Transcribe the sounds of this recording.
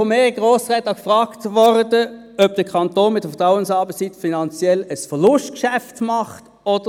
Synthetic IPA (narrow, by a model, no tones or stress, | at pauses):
omeːʁiɡ̥ʁoːsʁɛtɑkfʁaːktvɔʁdə | œb̚d̥əkʰɑntoːnmɪt̚d̥əfətʁaʊənsɑːbəssitfinɑnt͡sjɛləsfəʁlʊʃtkʃæftmɑχt | ɔd̥ə